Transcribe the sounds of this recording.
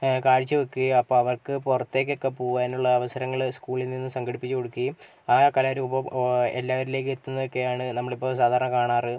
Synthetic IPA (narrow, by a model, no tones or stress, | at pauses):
kaːɻit͡ɕːɨʋɐkːiɐpːoːɐʋɐrkɨpurɐt̪ːe̞ːk̬ːokːepoːɣaːnuɭːɐːʋɐsɐɾɐŋːɐɭskuːɭilninːɨsɐŋɡɐɽipːit͡ɕːɨko̞ɽukːi | aːkɐlɐɾuːbɐmḛlːaːʋɐɾile̞ːk̬ːɨet̪ːunːɐðo̞kːe̞jaːɳɨnɐmːɐɭipːo̞ːsaːd̪ʱaːɾɐɳɐkaːɳaːrɨ